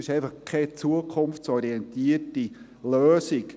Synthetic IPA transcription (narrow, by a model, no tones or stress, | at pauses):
ɪʃɛɪfɑχkʰɛt͡suəkʰχʊmft͡sɔɾiɛntiərti | løːsik